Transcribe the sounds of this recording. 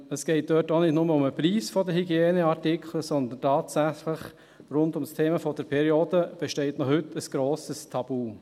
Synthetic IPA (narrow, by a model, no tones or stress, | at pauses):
əsɡ̥ɛɪt̚d̥øːtonɪdnʊməʊməpɾiːsfɔdəɦyɡjeːnəɑɾtɪkʰχləsɔnd̪əntɑːtsæχləχ | rʊndʊmstʰeːməfɔd̥əɾpʰɛɾioːdəb̥ɛʃtɛɪtnɔhʏtːəsɡ̥ɾoːsəstʰɑb̥uː